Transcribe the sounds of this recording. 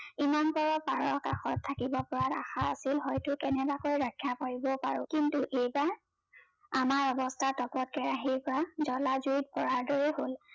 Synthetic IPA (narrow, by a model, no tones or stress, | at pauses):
imanpɔɹɔpaɹɔɹka̰xɔtʰːakibɔpɔɹata̰xaa̰silɦɔjtʊkɛnɛbakojɹakʰːjapaɹibɔpa̰ɹʊ̰̃kintuʔejbaɹ | amaɹɔbɔstʰaɹtɔkɔt̚kɛɹaɦiɹpɔɹazɔlazujt̚kɔɹaɹdɔɹɛhol